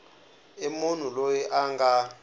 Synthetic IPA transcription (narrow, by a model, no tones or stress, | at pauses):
emun̤ulojɛʔaŋɡa